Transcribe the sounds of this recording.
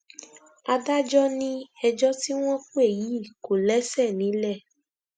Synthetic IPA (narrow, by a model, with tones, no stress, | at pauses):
a˧da˦d͡ʒɔ˦nĩ˦ɛ˧d͡ʒɔ˦ti˦w̃ɔ̃˦ku˦e˦˨ji˨˦i˦˨ko˨lɛ˦sɛ˦˨nĩ˨˦lɛ˦˨